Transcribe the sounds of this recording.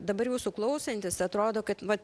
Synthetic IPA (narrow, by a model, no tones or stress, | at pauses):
d̪ɐbɐɾjuːsʊklˠɐʊsʲɛnʲt̪ʲɪsɐt̪ɾoːd̪oːkɐt̪ʋɐt